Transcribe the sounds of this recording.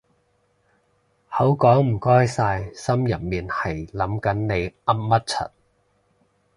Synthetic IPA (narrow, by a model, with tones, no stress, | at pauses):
hɐ˨˥wkɔː˨˥ŋm̩˨˩kɔː˥jsaː˧jsɐ˥mjɐ˨˩n̚miː˨nhɐ˨˩jlɐ˨˥mkɐ˨˥nne˨˧jɐ˥m̚mɐ˥t̚t͡sʰɐ̰˨˥t̚